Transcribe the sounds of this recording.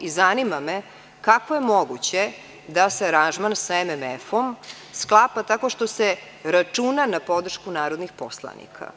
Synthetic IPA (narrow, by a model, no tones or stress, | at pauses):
izanimame | kakʋojemoɡut͡ɕe | d̪aseaɾanʒmansaememefom | sklˠapat̪ako̞ʃt̪o̞se | ɾat͡ʂunanapo̞d̪r̩ʃkunaːɾod̪nixpo̞slˠa̰nḭkʰa̰